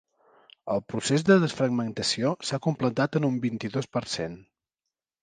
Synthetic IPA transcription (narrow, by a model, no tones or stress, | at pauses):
əlˠpɾusezðəðəsfɾəɡ̚mənt̪əsiosakumplət̪at̪ənumbint̪iðospəɾsen